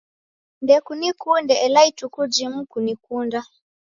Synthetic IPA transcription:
ndɛkunikundɛʔɛlaitukud͡ʒimukunikunda

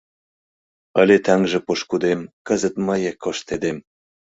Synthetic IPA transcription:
əlʲet̪æŋʒĕpoʃkud̪emkə̆zə̆t̪məjekʰːoʃt̪ed̪em

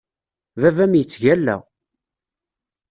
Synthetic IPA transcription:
vævæmjət͡sːʝælːæ̰

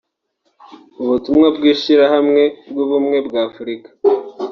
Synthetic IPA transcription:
uβutumŋabɡiːʃiɾahamŋe̞bɡuβumŋe̞bɡafuɾikḁ

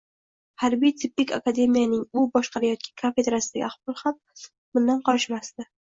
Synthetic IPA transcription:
haɾbijt̪ʰɪpːɪkʲʰakad̪e̞mijanɪŋʊbɒʃqʰɑɾajɒt̪̚kʲḁkʰafe̞d̪ɾasɪd̪aɡʲɪ̰aqbɒlˠham | bʊnd̪anqɒɾɪʃmast̪ɪ

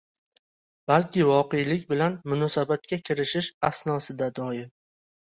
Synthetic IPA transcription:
b̥alkʲʰɪvɒqejlɪkʲbɪlanmʊnɒsabat̪̚kʲakʲʰɪɾɪʃɪʃasnɒsɪd̪ad̪ɒjɪm

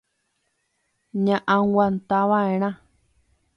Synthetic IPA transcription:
ɲãʔãwant̪aβãẽɾ̃ã

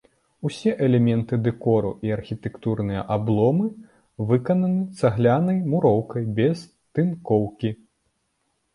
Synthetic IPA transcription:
usʲɛʔɛlʲɛmʲɛnt̪ɨd̪ɛkɔɾṵʔiɐrxʲit̪ɛkt̪urnɨjɐ̰ʔablˠɔmɨ | vɨkɐnɐnɨt̪saɣlʲanɐjmuɾɔwkɐjbʲɛs | t̪ɨnkɔwkʲi

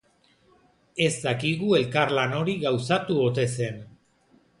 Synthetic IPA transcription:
e̞zd̪akiɣue̞lkaɾlano̞ɾiɣawsat̪uo̞t̪e̞se̞n

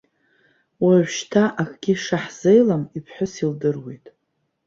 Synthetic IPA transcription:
waʕʷᶣʃtʰaʔakʰʼɡʲiʂaħz̥ejlamipʰħʷᶣʊsildɨrwḛjtʼ

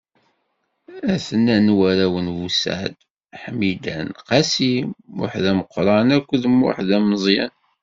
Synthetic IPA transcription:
æθənːænwæɾæwənvusa̰ʕd̪ | ħmːid̪ænqɑsimʊ̰ħðæməqːɾˤɑnækʷːəðmʊ̰ħðæmzˤjæ̰n

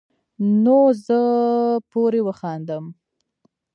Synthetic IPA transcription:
nozəpoɾewəxɑnd̪əm

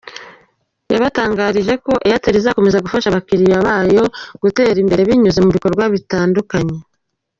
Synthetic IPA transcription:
jaβataːŋɡaːɾiʒe̞ko̞ʔejateɾizako̞me̞zaɡufaʃaβakiɾiβaβaːjo̞ɡ̥ute̞ːɾimbe̞ɾe̞βiɲuze̞muβiko̞ɾɡwaβitaːndukaɲe̞

